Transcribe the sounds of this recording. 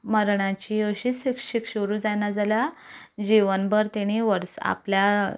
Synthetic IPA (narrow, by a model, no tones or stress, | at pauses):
məɾɳãt͡ɕiəɕisikɕikɕəɾuːd͡zanad͡zaljad͡ʑiʋənbəɾt̪eɽ̃iʋəɾsa̰plja